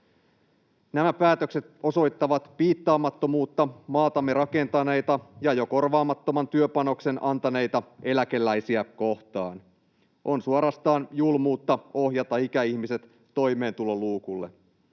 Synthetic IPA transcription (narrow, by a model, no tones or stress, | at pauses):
næmæpæːt̪ø̞kset̪o̞so̞jt̪ːɑʋɑt̪piːt̪ːɑːmːɑt̪ːo̞muːt̪ːɑmɑːt̪ɑmːe̞ɾɑke̞nt̪ɑne̞jt̪ɑjɑjo̞ko̞rʋɑːmɑt̪ːo̞mɑnt̪yøpɑno̞kse̞nʔɑnt̪ɑne̞jt̪ɑe̞læke̞lːæjsiæko̞ht̪ɑːn | ʔo̞nsuoɾɑst̪ɑːnjulmuːt̪ːɑo̞hjɑt̪ɑikæiçmise̞t̪ːo̞jme̞ːnt̪ulo̞luːkulːe̞̰